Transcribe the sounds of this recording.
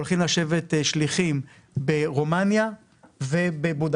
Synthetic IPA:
olχimlaʃe̞vet̪ʃliχim | beʁo̞manja | ve̞bebud

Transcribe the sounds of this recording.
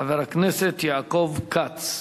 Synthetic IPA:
aveɾaknɛset̪jaːkovkat͡s

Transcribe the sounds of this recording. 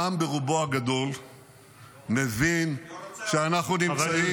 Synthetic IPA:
ambeʁuboaɡad̪o̞l | nevinʃeanaχnunit͡sai

